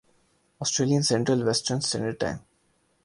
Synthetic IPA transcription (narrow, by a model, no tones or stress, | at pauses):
ɔsʈɾeːliə̃nsɛ̃ɳʈɾəlʋɛsʈəɾnsḛ̃nəɖʈã̰ɪ̃m